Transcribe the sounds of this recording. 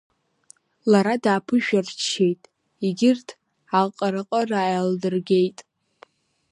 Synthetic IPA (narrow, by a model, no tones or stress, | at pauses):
laɾadaːpʰɨʒᶣart͡ʃʰːe̞jtʼ | iɡʲɪrtʰ | alqʼaɾɨqʼəraːjaldɨrɡʲe̞jtʼ